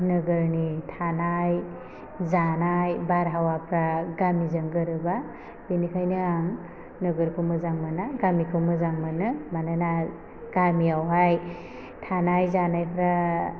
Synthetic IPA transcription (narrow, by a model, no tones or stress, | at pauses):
nɯɡɯɾnitʰanaj | zanajbaɾɦawapʰɾaɡamizɯŋɡɯɾɯba | binikʰajnɯaŋ | nɯɡɯɾkʰɯmɯzaŋmɯnaɡamikʰɯwmɯzaŋmɯnɯmanɯna | ɡ̥amiawɦaj | tʰanajzanajpʰɾa